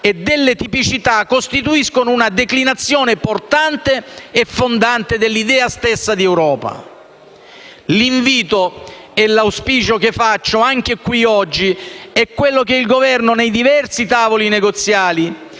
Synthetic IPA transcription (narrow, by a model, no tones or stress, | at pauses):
ed̪ːelːet̪ipit͡ʃit̪akːost̪it̪uiskonounad̪eklinat̪sːjoːneport̪ant̪eːfːond̪ant̪ed̪elːid̪ɛːast̪esːad̪iɛwɾɔːpa̰ | liɱviːt̪o | ɛlawspiːt͡ʃok̟efːat͡ʃːoaŋk̟ekwiɔd͡ʒːiɛkːwelːok̟eilɡovɛrnonejd̪ivɛrsit̪aːvolineɡot̪sːjaːli